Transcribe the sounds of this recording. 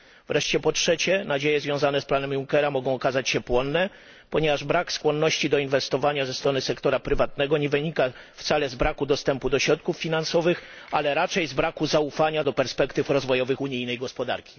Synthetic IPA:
vɾɛʂt͡ɕɛpɔtʂɛt͡ɕɛnad͡ʑejɛzvʲjɔ̃w̃zanɛsplanɛmjuŋkɛɾamɔɡɔ̃w̃ɔkazat͡ɕɕɛpwɔnːɛ | pɔɲɛvaʐbɾakskwɔnːɔɕt͡ɕid̪ɔinvɛst̪ɔvaɲazɛst̪ɾɔnɘsɛkt̪ɔɾapɾɘvat̪̚nɛɡɔɲɛvɘɲikaft̪salɛzbɾakud̪ɔst̪ɛmpud̪ɔɕɾɔt̪̚kufːʲinansɔvɘxalɛɾat͡ʂɛjzbɾakuzaufaɲad̪ɔpɛɾspɛkt̪ɘfɾɔzvɔjɔvɘxuɲijnɛjɡɔspɔd̪a̰ɾkʲi̥

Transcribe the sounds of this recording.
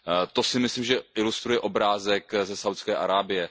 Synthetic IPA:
t̪o̞sɪmɪslimʒɛʔɪlust̪ɾujɛʔo̞bɾaːzɛkzɛsawt̪skɛːʔaɾaːbɪjɛ

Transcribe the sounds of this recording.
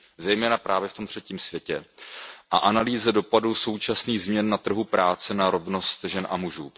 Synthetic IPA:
zɛjmɛːnapɾʔaːvjɛft̪o̞mt̪r̝̥ɛciːmsvjɛcɛʔaʔanaliːzɛdo̞paduso̞wt͡ʃasniːɣzmɲɛnːat̪r̩ɦupɾaːt͡sɛnaɾo̞vno̞st̪ʒɛnʔa̰muʒuː

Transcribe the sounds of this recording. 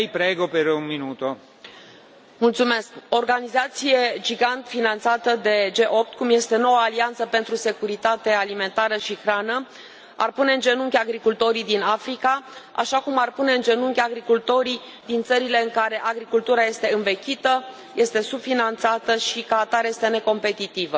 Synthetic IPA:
jpɾeɡopeɾunminut̪o | mult̪sume̞skooːrɡanizat̪sije̞d͡ʒiɡant̪finant̪sat̪əd̪e̞d͡ʒe̞ʔo̞p̚t̪kumje̞st̪e̞no̞wəːliant̪səpe̞nt̪ɾuse̞kuɾit̪at̪e̞alime̞nt̪aɾəʃixɾanə | a̰rpune̞ɨnd͡ʒe̞nuŋkʲaɡɾikult̪o̞ɾid̪inafɾikaa̰ʃakumarpune̞ɨnd͡ʒe̞nuŋkʲaɡɾikult̪o̞ɾi | d̪int̪səɾile̞ɨŋkaɾe̞ʔaɡɾikult̪uɾaje̞st̪e̞ɨnve̞kʲit̪ə | je̞st̪e̞sub̥finant̪sat̪əʃikat̪aɾje̞st̪e̞ne̞ko̞mpe̞t̪it̪ivə

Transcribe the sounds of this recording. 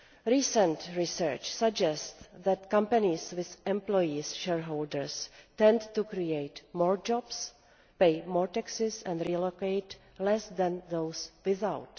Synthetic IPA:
ɾiːsə̃ntɹisəɹt͡ʃsaɡd͡ʒɛstðɛt̪kãmpaniswɪθʔɛ̃mplojisʃɛɹɦowldəɹstɛ̃ndtukɾiejtmɔːɹd͡ʒɔbs | pejmoːɹt̪aksɪsɛ̃ndɾilokejt | lɛsd̪ɛ̃nðowswɪθawt

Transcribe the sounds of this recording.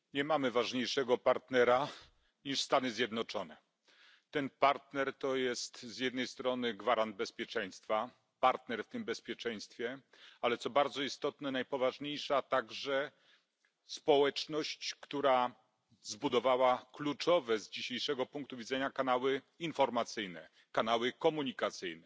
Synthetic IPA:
ɲɛmamɘvaʐɲejʂɛɡɔpaɾt̪nɛɾa | ɲiʂst̪anɘzʲjɛd̪nɔt͡ʂɔnɛ | t̪ɛnpaɾt̪nɛɾt̪ɔjɛst̪zjɛd̪nɛjst̪ɾɔnɘɡvaɾand̪̚bɛspʲjɛt͡ʂɛj̃st̪fa | paɾt̪nɛɾft̪ɘmbɛspʲjɛt͡ʂɛj̃st̪fʲjɛ | alɛt̪sɔbaɾd̪zɔist̪ɔt̪nɛnajpɔvaʐɲejʂat̪aɡʐɛ | spɔwɛt͡ʂnɔɕt͡ɕkt̪uɾa | zbud̪ɔvawaklut͡ʂɔvɛzd͡ʑiɕejʂɛɡɔpuŋk̚t̪uvʲidzɛɲakanawɘ | infɔɾmat̪sɘjnɛ | kanawɘkɔmuɲikat̪sɘjnɛ

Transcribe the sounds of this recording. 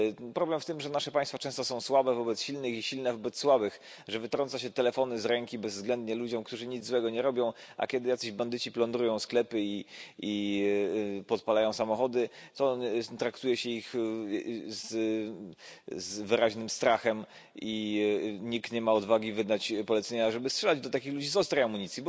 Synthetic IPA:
pɾɔblɛmft̪ɘmʐɛnaʂɛpaj̃st̪fat͡ʂɛ̃w̃st̪ɔsɔ̃w̃swabɛvɔbɛt̪sɕilnɘxiɕilnɛvɔbɛt̪sswabɘx | ʐɛvɘt̪ɾɔntsaɕ̬ɛt̪ɛlɛfɔnɘzɾɛŋkʲibɛzːɡlɛnd̪ɲɛlud͡ʑɔmkt̪uʐɘɲid̪zzwɛɡɔɲɛɾɔbʲɔ̃w̃a̰kʲjɛd̪ɘjakt̪ɛʑband̪ɘt͡ɕiplɔ̃nd̪ɾujɔ̃w̃sklɛpɘii | pɔt̪palajɔ̃w̃samɔxɔd̪ɘt̪ɔt̪ɾakt̪ujɛɕɛix | z | zvɘɾaʑnɘmst̪ɾaxɛm | i | ɲikt̪ɲɛmaɔd̪vaɡʲivɘd̪at͡ɕpɔlɛt̪sɛɲaʐɛbɘstʂɛlad͡ʑd̪ɔt̪akʲixlud͡ʑizɔst̪ɾajamuɲit̪sjibɔ

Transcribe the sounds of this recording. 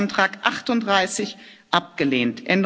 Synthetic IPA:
ntʁ̥aːkʔaχtʊntd̥ʁaɪsɪçʔap̚ɡ̥əleːntʔɛnd

